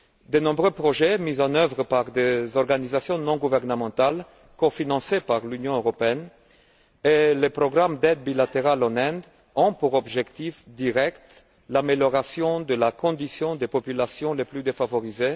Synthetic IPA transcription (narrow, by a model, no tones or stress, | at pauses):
d̪ənɔ̃bʁøpʁɔʒɛmizɑ̃nœvʁəpaʁd̪ezɔʁɡanizasjɔ̃nɔ̃ɡuvɛʁnəmɑ̃t̪al | kofinɑ̃sepaʁlynjɔ̃øʁɔpeɛn | elepʁɔɡʁamd̪ɛd̪̚bilat̪eʁalɑ̃nɛ̃d̪ | ɔ̃puʁɔbʒɛkt̪ifd̪iʁɛkt̪ | lameljɔʁasjɔ̃d̪əlakɔ̃d̪isjɔ̃d̪epɔpylasjɔ̃leplyd̪efavɔʁize